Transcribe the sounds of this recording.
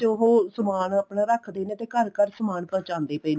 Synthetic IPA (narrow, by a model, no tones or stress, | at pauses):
t̪eʊɦoːsəmaːnaːpɳaːɾəkʰd̪eːnẽːt̪eːkəɾkəɾsəmaːɳpə̃ːt͡ʃãːnd̪eːpəiːn